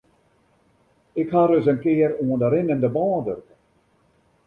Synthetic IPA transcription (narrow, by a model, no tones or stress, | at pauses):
ɪkhaɾøs̬ənkɪːəɾuəndaɾɪnɪndəbɑːdørkən